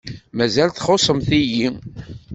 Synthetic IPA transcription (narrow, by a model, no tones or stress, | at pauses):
mæzælθχosˤəmθiji